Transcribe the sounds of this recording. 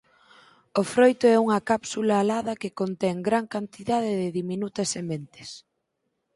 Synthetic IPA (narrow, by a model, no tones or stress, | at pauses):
ofɾojt̪ʊɛuŋɐkapsulaːlaðɐkɪkont̪ɛŋɡɾaŋkant̪iðaðɪðɪðimĩnut̪ɐsemẽnt̪ɪ̥s